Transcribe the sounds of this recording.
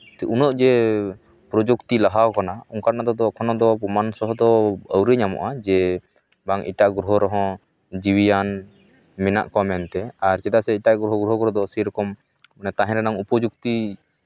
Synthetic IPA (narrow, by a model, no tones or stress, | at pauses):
unɔʔd͡ʒɛ | pɾɔd͡ʒukt̪ilaɦawkanauŋkaɾnad̪ɔd̪ɔkʰɔnɔd̪ɔmansɔɦɔd̪ɔəwɾeɲamɔ̰ʔad͡ʒɛ | baŋḭʈaʔɡɾuɦɔɾɔɦɔ̃ | d͡ʒiwijan | mɛna̰ʔkɔmɛnt̪ɛaɾt͡ʃɛd̪asɛiʈaʔɡɾuɦɔɡɾuɦɔɡɔɾɔd̪ɔsɛɾɔkɔm | anɛt̪aɦɛ̃ɾɛnaŋupɔd͡ʒuk̚t̪i